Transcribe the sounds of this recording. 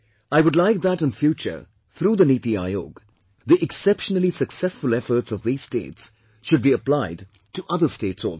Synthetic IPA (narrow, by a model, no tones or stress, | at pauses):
aɪwʊdˡlaɪk̚ðæɾɨ̃nfjut͡ʃə̰ | θɾuːðəniːt̪ia̰ɪo̰ːɡ | ðiʔɛksɛpʃənəl̩isəksɛsfʊlɛfə˞ʈsʌvðiːz̥stḛɪːts | ʃʊd̚biəplaɪd | ʈʰuʔʌðəsteːtso̰l